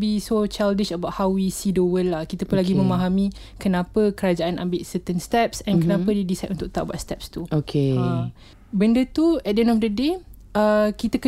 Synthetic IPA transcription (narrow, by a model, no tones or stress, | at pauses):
bisot͡ʃaldɪʃəbawʔhawwisidowəlːahkit̪əpʊnlaɡimə̃maɦamĩ | kənãpəkəɾad͡ʒaʔanʔa̰mbɪʔsət̪ənst̪ɛp̚sɛ̃nkənapədidisajtʔũnt̪ʊk̚t̪a̰ʔbwat̪̚st̪ɛp̚st̪uokʰeã | bəndət̪uɛdəɛ̃ndɔfdəde | əkit̪əkə